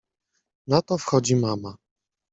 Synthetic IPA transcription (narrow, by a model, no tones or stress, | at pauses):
nat̪ɔfxɔd͡ʑimama